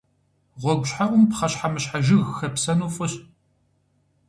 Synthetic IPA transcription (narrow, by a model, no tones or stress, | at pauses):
ʁʷɔɡʷʊɕħaʔʼʷʊmpχɐɕħamɨɕħaʒɪɣxɐpsɐnuːfʼʊɕ